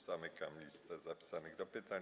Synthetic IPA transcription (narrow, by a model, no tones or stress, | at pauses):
sanɛkamlʲist̪ɛzapʲi̥sanɨɣd̪ɔpɪt̪aɲ